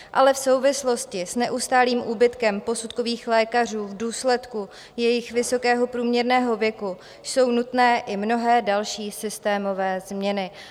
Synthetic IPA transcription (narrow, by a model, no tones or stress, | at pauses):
ʔalɛfso̞wvɪslo̞scɪsnɛʔust̪aːliːmʔuːbɪt̪kɛmpo̞sut̪̚ko̞viːxlɛːkar̝uːvduːslɛt̪ku | jɛjɪxvɪso̞kɛːɦo̞pɾuːmɲɛɾnɛːɦo̞vjɛku | jso̞wnut̪nɛːʔɪmno̞ɦɛːdalʃiːsɪst̪ɛːmo̞vɛːzmɲɛnɪ